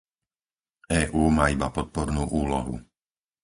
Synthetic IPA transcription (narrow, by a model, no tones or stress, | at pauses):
ɛːʔuːmaːibapɔt̪̚pɔɾnuːʔuːlɔɦṵ